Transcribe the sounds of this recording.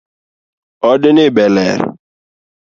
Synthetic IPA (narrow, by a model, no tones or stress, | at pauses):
ɔdɪnɪbelɛɾɪ̰